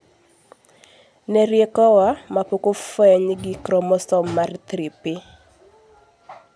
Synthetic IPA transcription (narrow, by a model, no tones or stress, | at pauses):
nɛɾjekɔwamapokofɛɲɡɪkɾɔmɔsɔmːart̪ɾipɪ